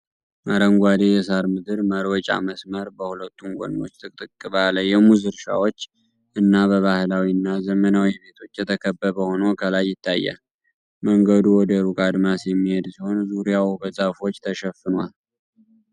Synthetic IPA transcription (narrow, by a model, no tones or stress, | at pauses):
ʔaɾəŋɡʷad̪ejɛsaɾmɨd̪ɨɾməɾwɔt͡ʃʼa̰məsməɾbəhulət̪ʰːuŋɡʷo̰no̞̰t͡ʃːt̪ʼɨkʼt̪ʼɨkʼːɨβaləjɛmuzɨɾʃa̰wot͡ʃː | ʔɨnːaβəβahlawinːazəmənawiβe̞t̪ʰo̞t͡ʃːjɛt̪ʰəkʰəbːəβəho̞nəwkʰalajːɪt̪ʰːajːa̰ | məŋɡəd̪uwɔd̪əɾukʼad̪masjɛmːihe̞d̪siho̞nzuɾijawbəzʼafo̞t͡ʃːt̪ʰəʃɛfɨnwa̰l